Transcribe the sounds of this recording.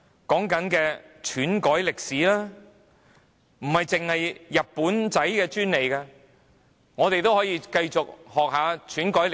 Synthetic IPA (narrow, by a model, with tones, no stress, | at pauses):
kɔː˨˥ŋkɐ˨˥nkɛː˧t͡ʃʰyː˨˥nkɔː˨˥jlɪ˨k̚siː˨˥laː˥ | m̩˨˩hɐ˨˩jt͡sɪ˨ŋhɐ˨jːɐ˨t̚pːuː˨˥nt͡sɐ˨˥jkɛː˧t͡ʃyː˥nle˨˩jkaː˧ | ŋɔː˨˧t̪e˨jt̪o˥whɔː˨˥jiː˧kɐ˧jt͡sʊ˨k̚hɔː˨k̚ɦaː˨˧t͡ʃʰyː˨˥nkɔː˨˥jl